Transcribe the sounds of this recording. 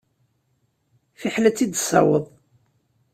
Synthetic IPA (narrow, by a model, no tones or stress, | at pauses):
fiħlæt͡sːid̪sˤɑ̰wəðˤ